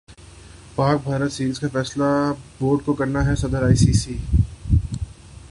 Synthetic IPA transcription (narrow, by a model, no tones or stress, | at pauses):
paːk̚bʱaːɾət̪siːɾiːzkafɛːslaboːɾɖkokɐɾnaɦɛsɐd̪əɾaːisiːsiː